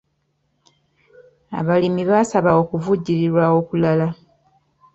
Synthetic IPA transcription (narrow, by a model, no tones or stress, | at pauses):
a̰βalimiβasaβawo̞ːkuvuɟːiɾiɾwao̞ːkulala